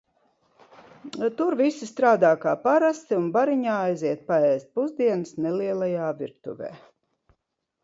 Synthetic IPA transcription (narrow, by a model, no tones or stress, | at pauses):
t̪uɾvisist̪ɾaːd̪aːkaːpaɾast̪iunbaɾiɲaːajziɛt̪̚paɛːst̪̚puzd̪iɛnɨsnɛliɛlˠajaːviɾt̪ṵvḛː